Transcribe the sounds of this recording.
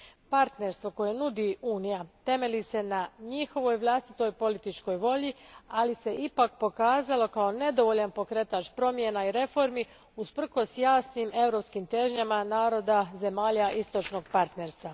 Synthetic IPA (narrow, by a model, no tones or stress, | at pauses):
paɾt̪ne̞ɾst̪ʋo̞ko̞je̞nud̪iuːnijat̪e̞me̞lise̞naɲixo̞ʋo̞jʋlˠast̪it̪o̞jpo̞lit̪it͡ʃko̞jʋo̞ʎialise̞ʔipakpo̞kaːzalo̞kao̞ne̞d̪o̞ʋo̞ʎanpo̞kɾet̪at͡ʃpɾo̞mje̞naiɾe̞fo̞ɾmi | uspr̩xo̞sjaːsnime̞ʋɾo̞pskimt̪e̞ʒɲamanaːɾo̞d̪aze̞maːʎaʔist̪o̞t͡ʃno̞ɡ̚paɾt̪ne̞ɾst̪ʋa